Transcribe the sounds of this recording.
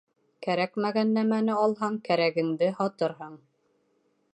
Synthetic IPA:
kæɾækmæɡænːæmænɘɑlˠɦɑɴkæɾæɡɘ̆ŋd̪ɘhɑt̪ɤɾɦɤɴ

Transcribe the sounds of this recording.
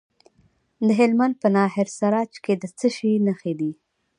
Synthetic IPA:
d̪əɦɪlmand̪̚pənɑɦɪɾsaɾɑt͡ʃked̪ət͡səʃinəxed̪i

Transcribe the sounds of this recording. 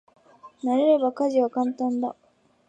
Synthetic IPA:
naɾe̞ɾe̞bakaʑiβakãnt̪ãnd̪a̰

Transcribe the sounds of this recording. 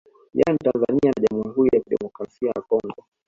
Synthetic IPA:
janitanzanianaʄamuiɦuɾijakiɗɛ̰mɔkɾasiajakɔŋɡɔ

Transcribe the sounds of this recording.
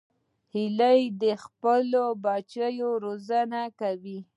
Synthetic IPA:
hilajd̪əxpəlobɑt͡ʃajoɾozanakawi

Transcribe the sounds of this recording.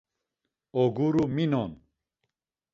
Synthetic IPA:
oɡuɾuminon

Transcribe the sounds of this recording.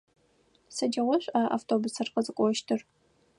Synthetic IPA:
sɐd͡ʒɐʁʷɔɕʷʼaːʔa̰ːftʰoːbʊsɐrqəzɨkʷʼɔʃtʰɨr

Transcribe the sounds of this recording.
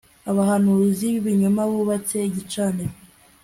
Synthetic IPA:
aβahanuziβiɲumaβuβateiɟit͡ʃaniɾo

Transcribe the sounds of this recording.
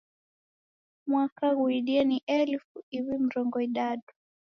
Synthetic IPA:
mwakaɣuiɗianiʔɛlfuiwim̩ɾɔŋɡɔiɗaɗu̥

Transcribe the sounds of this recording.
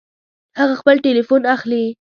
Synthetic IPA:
haɣaxpəlʈelifunaxli

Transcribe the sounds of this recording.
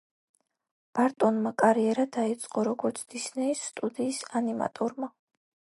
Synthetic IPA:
b̥aɾt̪ʼɔnmakʼaɾiɛɾad̪ait̪sʼqʼɔɾɔɡɔɾt̪sʰd̪isnɛisːt̪ʼud̪iːsanima̰t̪ʼɔɾma

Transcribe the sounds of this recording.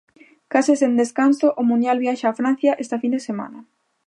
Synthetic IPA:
kasesend̪eskansoʔomũnd̪jalβjaʃaːfɾan̟θjaʔest̪afind̪esema̰nɐ

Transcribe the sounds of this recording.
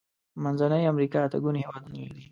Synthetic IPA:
manzanəjamɾikɑat̪aɡunhewɑd̪unwld̪i

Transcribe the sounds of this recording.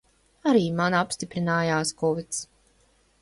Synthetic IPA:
aɾiːmanapst̪ipɾinaːjaːskɔvit̪s

